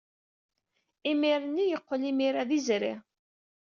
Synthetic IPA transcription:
imiɾənːijəqːəlimiɾaðizɾɪ̰ʁ

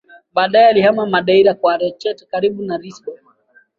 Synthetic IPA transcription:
ɓaːɗaɛalihamamaɗaiɾakwaɾɛt͡ʃɛtkaɾiɓunaɾiskɔ

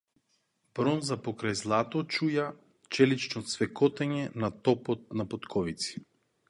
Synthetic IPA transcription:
b̥ɾɔnzapɔkɾajzlˠat̪ɔt͡ʃuja | t͡ʃɛlit͡ʃnɔt̪svɛkɔt̪ɛɲɛnat̪ɔpɔt̪̚napɔt̪kʰɔvit̪si̥

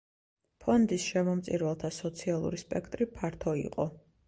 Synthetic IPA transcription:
pʰɔnd̪isʃɛmɔmt̪sʼiɾvɛlˠt̪ʰasɔt̪sʰialˠṵɾispʼɛkʰt̪ʼɾipʰaɾt̪ʰɔḭqʼɔ

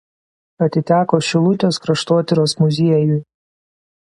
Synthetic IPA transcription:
ɐt̪ʲɪt̪ʲæːkoːʃʲɪlˠʊt̪ʲoːskɾɐʃt̪oːt̪ʲɪɾʲoːsmʊzʲiɛjʊ

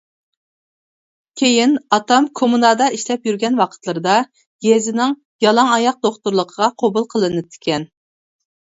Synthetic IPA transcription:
kʲʰejinɑt̪ɑmkʰomunɑd̪ɑiʃlɛpjyɾɡʲɛnwɑqʰə̥t̪lˠɨɾɨd̪ɑ | ɡʲezɪnɪŋ | jɑlˠɑŋɑjɑq̚d̪oχt̪uɾlˠəqʰəʁɑqʰobulˠqʰəlˠɨnɨp̚t̪ʰɪ̥kʲɛn

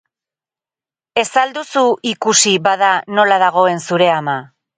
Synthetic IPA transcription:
e̞sald̪usuikusiβaðano̞laðaɣ̞o̞e̞nsuɾe̞ama

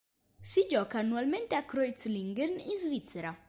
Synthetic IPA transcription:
sid͡ʒɔkaːnːualmẽnt̪eakɾɔjt̪sliŋɡɛrninzvit̪seɾa

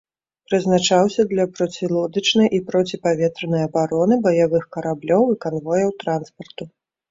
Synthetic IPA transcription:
pɾɨznat͡ʂawsʲɐd̪lʲɐpɾɔt͡sʲilˠɔd̪ɨt͡ʂnɨjʔipɾɔt͡sʲipavʲɛt̪ɾɐnɨjɐbaɾɔnɨbɐjavɨxkɐɾablʲɔwikanvɔjɐwt̪ɾanspɐrt̪u

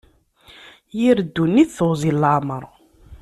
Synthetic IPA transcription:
jiɾd̪ːunːiθθozˤilːaʕməɾˤ

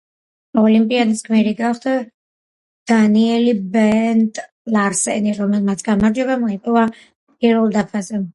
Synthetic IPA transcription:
ɔlimpʼiad̪iskʰmɛɾiɡaχd̪a | d̪̥aniɛlibɛnt̪ʼ | laɾsɛniɾɔmɛlˠmat̪sʰɡamaɾd͡ʒɔbamɔipʼɔva | pʼiɾvɛlˠd̪apʰazɛ

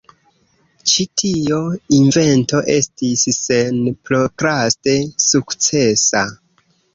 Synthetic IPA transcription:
t͡ʃitʰioinve̞nto̞ʔe̞̰stisse̞npɾokɾaste̞sukt͡se̞sa

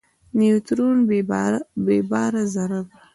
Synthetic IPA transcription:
niut̪ɾunb | bebɑːɾazaɾab

